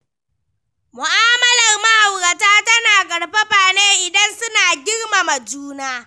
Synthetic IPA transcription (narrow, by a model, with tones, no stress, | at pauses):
mʊ˨ʔaː˦mɐ˦lɐ˨rma˦ha˨wɾɐ˨taː˦tɐ˦naː˨kʼɐ˨ɽɸa˦ɸaː˨neː˦ʔɪ˨dɐ˦nsʊ˦naː˨ɡʲɪ˦ɽma˨mɐ˨d͡ʒuː˦naː˦